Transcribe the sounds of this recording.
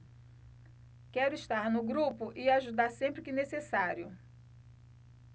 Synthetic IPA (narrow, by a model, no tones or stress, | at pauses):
kɛɾʊiʃt̪aɾnʊɡɾupʊʔɪaʒud̪aɾsẽmpɾɪkɪnesesaɾjʊ